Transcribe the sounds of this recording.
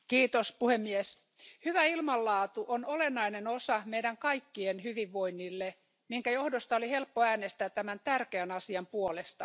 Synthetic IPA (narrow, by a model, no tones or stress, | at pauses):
kiːt̪ospuhemːies | hyʋæilmɑlːɑːt̪uʔonolenːɑinenosɑmeidæŋkɑikːienhyʋiʋːoinːilːe | miŋkæjohdost̪ɑolihelpːoæːnest̪æːt̪t̪ːæmænt̪ærkeænɑsiɑmpuolest̪ɑ